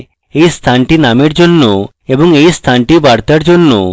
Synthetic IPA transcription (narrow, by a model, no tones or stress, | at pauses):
eist̪ʰaɳʈinameɽd͡ʒɔnːu | ebɔŋeist̪ʰaɳʈibaɽt̪aɽd͡ʒonːṵ